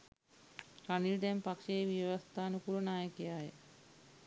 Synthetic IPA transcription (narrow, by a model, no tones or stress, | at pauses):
kanild̪ɛmpakʃeeʋjʋast̪aːnəkuɾənaːjəkijaːjə̰